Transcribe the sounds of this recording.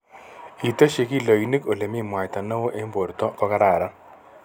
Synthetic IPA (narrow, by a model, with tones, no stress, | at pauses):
i˨to˦ʃe˨ki˦lo˨i˨ni˦ko˨le˨mi˦˨mwa˨jt̪a˨na˦wo˦ʔe˦mbo˨ɾt̪ɔ˦kɔ˦ka˦ɾaː˨ɾa˦